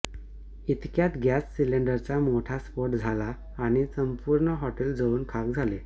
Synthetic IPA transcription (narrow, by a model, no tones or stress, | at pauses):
it̪kjat̪ɡjasːileɳɖəɾt͡samoʈʰaspoɾʈd͡zʱalaː | ɽ̃isəmpuɾɳəɦɔʈeld͡zəuːnkʰakd͡zʱale